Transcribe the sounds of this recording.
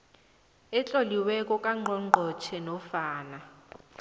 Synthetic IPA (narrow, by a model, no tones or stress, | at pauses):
ɛt͡ɬʼoliwɛkʼɔkʼaŋ͡ǃʱɔŋ͡ǃʱɔt͡ʃʰɛnɔfaːna